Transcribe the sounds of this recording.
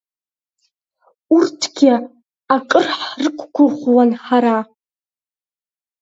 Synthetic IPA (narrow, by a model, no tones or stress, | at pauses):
urtʰɡʲɪ | akʼɨrħrɨkʷʰʼɡʷʰʊχʷwanħaɾa